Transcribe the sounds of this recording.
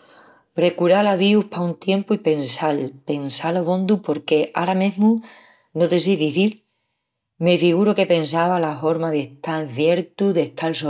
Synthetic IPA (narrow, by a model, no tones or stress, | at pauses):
pɾe̞kuɾalaβ̞iuhpaunt̪je̞mpuipe̞nsalpe̞nsaloβõ̞nd̪upo̞ɾke̞ʔaɾamẽɦmu | noðes̬iðiθiɾ | me̞fiɣuɾoke̞pe̞nsaβalafo̞ɾmaðeht̪aɾfje̞ɾt̪uðe̞ht̪ʰalso